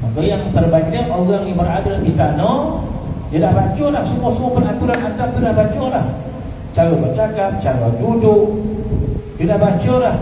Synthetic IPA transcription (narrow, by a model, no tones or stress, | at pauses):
makajaŋt̪ərbakɲaʔoɣaŋjibəradalamist̪anɔ | dadahbat͡ʃɔlahsəmuasəmuapənɦat̪uɾanat̪ap̚t̪udahbat͡ʃɔlah | t͡ʃaɣɔbət͡ʃakap̚t͡ʃaladudʊʔ | dədahbat͡ʃɔlah